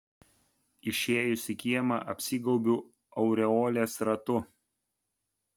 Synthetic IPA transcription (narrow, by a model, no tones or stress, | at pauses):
ɪʃʲeːjʊsʲɪkʲiɛmɐ̰ʔɐpʲsʲiːɡɒʊbʲuː | ɐʊɾʲɛoːlʲeːsɾɐt̪ʊ